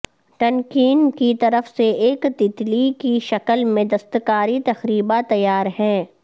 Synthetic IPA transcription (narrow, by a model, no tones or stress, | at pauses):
ʈɐ̃nkiːnkit̪ɐɾəfseeːkt̪ɪt̪likiʃɐkəlmẽd̪ɐst̪kaːɾit̪ɐxɾiːbat̪ɐjːaːɾɦɛ̃ː